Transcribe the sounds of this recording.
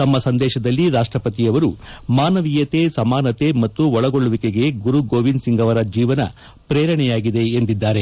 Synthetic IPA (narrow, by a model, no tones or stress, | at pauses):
t̪ɐmːɐsɐnd̪ɛːʃɐd̪ɐlːiɾaːʂʈɾɐpɐt̪ijɐʋɐɾumaːnɐʋijɐt̪e̞sɐmaːnɐt̪e̞mɐt̪ːuɔɭɐɡoɭːuʋikeɡe̞ɡuɾuɡoːʋinsiŋɡɐʋɐɾɐd͡ʒiːʋɐnɐ̰ | pɾeːɾɐɳɛjaːɡid̪e̞ːnd̪id̪ːaːɾe̞